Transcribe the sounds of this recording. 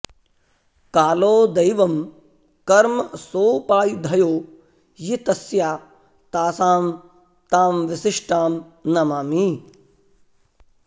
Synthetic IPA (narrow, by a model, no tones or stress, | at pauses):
kaːloːd̪ɐjʋɐm | kɐɾmsoːpaːjd̪ʱɐjoː | jit̪ɐsjaː | t̪aːsaːm | t̪aːmʋɪsɪʂʈaːm | nɐmaːmiː